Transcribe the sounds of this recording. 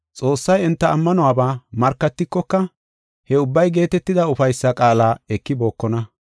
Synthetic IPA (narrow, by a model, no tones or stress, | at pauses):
t͡sʼo̞ːsːɐjɛnt̪ːɐːmːɐnɔwaːbaːmɐɾkːɐt̪ːɪkːɔkːɐ | hɛʊbːɐjɡe̞ːt̪ɛt̪ːɪd̪ɐʊfɐjsːɐkʼaːlaːɛkːɪbo̞ːkːɔnɐ